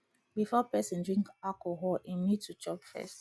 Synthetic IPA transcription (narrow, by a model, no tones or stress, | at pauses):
bifɔpɛsə̃ndɹĩŋkalkɔɦɔlĩmitʰut͡ʃɔpfɛ̰st